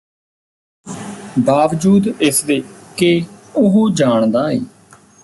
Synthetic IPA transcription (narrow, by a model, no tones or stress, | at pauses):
baːʋd͡ʒuːd̪ɪsd̪eːkeʊɦuːd͡ʒaːɳd̪aːḛː